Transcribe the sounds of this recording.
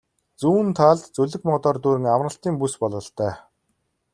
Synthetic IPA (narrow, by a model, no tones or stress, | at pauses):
t͡suːnt̪ʰaːɮt̪t͡sɵɮɘ̆kmɔt̪ɔːrt̪uːɾɘ̆ŋamrə̆ɬt̪iːŋpuspɔɮɞ̆ɬt̪œː